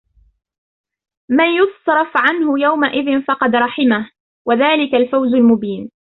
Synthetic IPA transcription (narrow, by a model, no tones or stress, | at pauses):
manjʊsˤɾˤɑfʕanhʊjawmaʔɪðɪnfɑqɑd̪ɾˤɑħɪmah | waðaːlɪkalfawzʊlmʊbiːn